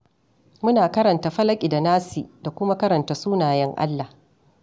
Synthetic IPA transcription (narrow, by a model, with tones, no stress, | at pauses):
mʊ˦naː˨kɐ˦ɾɐ˨nta˨ɸɐ˦lɐ˦kʲʼi˨da˨naː˦si˨da˨kʷʊ˦ma˦kɐ˦ɾɐ˨nta˨suː˦naː˨jɛ˦ŋʔa̰˦lːa˨h